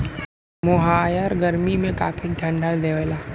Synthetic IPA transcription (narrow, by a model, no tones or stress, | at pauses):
mʊɦaːjəɾɡɐɾmimẽka̰ːpʰiʈɐ̃ɳɖʱad̪eːʋelaː